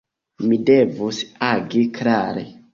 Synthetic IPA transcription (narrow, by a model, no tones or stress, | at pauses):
midevusaɡiklaɾḛ